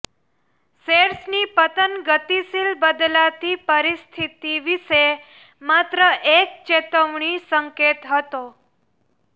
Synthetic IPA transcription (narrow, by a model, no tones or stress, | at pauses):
seɾsnipət̪ənɡət̪isilbəd̪lat̪ipəɾist̪ʰit̪iʋiʃe | mat̪ɾəʔek̚t͡ʃet̪əʋɳisəŋket̪ɦət̪o